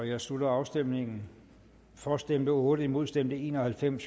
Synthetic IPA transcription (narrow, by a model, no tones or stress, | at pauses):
ɒjɑ̈ɪslud̥ɐɑ̈ʊsd̥emne̝ŋn̩ | fɒːsd̥emb̥əɔ̽ːɾ̥əimo̝ð̞ˠsd̥emd̥əe̝̰ːnɒhælfem̰s